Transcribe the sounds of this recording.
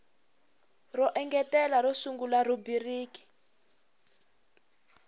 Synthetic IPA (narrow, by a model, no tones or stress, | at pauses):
rɔʔɛŋɡɛtɛlaɾɔsuŋɡularubiriːki̥